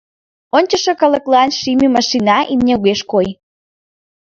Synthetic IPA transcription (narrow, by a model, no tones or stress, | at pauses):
onʲt͡ɕəʃekɑlə̆klˠɑnʃimʲimɑʃinɑʔimnʲeɣeʃkoj